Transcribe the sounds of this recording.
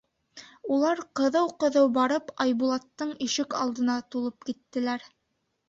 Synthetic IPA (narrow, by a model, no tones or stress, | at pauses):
ulˠɑɾqɤ̆ðɤwqɤ̆ðɤwbɑɾɤpɑjbulˠɑt̪ːɤɴiʃɘkɑ̰lˠd̪ɤ̆nɑt̪ulˠɤp̚kit̪ːɘ̆læɾ